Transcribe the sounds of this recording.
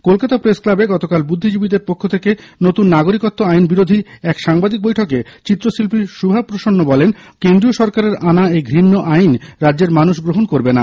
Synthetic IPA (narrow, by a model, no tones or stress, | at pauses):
kolkat̪apɾesklabeɡɔt̪okalbud̪ʱːid͡ʑubid̪eɾpokʰːot̪ʰekenot̪unːaɡoɾikot̪ːoajnbiɾod̪ʱiɛkʃaŋbad̪ik̚bojʈʰoket͡ɕit̪ːɾoʃilpiʃubʱapɾoʃonːobɔlenkend̪ɾioʃɔɾkaɾeɾanaeɡʱɾinːoʔajnɾad͡ʑeɾmanuʃɡɾoɦonkoɾbena